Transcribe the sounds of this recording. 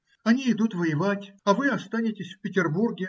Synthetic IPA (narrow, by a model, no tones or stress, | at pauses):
ɐnʲiɪd̪ut̪vəjɪvatʲɐvɨɐst̪anʲɪtʲɪsʲfpʲɪtʲɪrburɡʲɪ